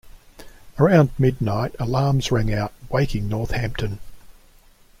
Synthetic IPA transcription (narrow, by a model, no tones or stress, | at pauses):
əɹãʊ̃ndmɪdⁿnaɪɾəlɑːmz̥ɹæ̃ŋaʊt̚weɪkɪ̃ŋnɔɹθhæ̃mp̚tʰɨ̃n